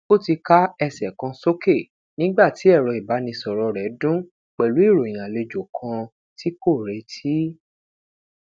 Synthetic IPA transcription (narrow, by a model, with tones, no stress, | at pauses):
o˦˨ti˧ka˦ɛ˧sɛ˨kã˧so˦ke˦˨ | nĩ˨˦ɡ͡ba˦˨ti˨˦ɛ˦˨ɾɔ˧i˨ba˨˦nĩ˧sɔ˨ɾɔ˧ɾɛ˨˦dũ˦ | k͡pɛ˨lu˨˦i˦˨ɾo˨j̃ã˨le˧d͡ʒo˨kʰã˧ | ti˦ko˦˨ɾɛ˨˦tʰi˦